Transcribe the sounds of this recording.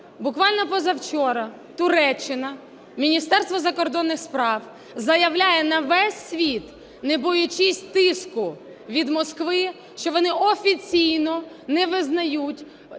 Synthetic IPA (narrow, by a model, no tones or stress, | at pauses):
bʊkʋɑlʲnɔpɔzɐwt͡ʃɔɾɐ | t̪ʊɾɛt͡ʃːɪnɐ | mʲinʲist̪ɛrst̪ʋɔzɐkɔrd̪ɔnːɪxspɾɑw | zɐjɐʋlʲajɛnɐʋɛsʲːʋʲit̪ | nebɔjʊt͡ʃisʲt̪ɪskʊ | ʋʲid̪mɔskʋɪ | ʃt͡ʃɔʋɔnɪʔɔfʲit͡sʲijnɔ | nɛʋɪznɐjutʲ